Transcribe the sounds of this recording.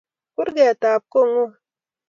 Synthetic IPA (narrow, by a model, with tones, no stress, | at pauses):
ku˦ɾɡe˨a˨taː˨p̚ko˦˨ŋu˦